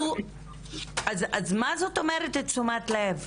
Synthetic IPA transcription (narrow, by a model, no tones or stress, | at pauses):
u | azazmazo̞tːo̞meʁetet͡sumat̪lev